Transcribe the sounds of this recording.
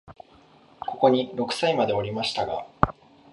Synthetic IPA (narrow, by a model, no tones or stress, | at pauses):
ko̞ko̞ɲ̟iɾo̞kɯ̟̥saimad̪e̞o̞ɾʲimaɕi̥t̪aɡa̰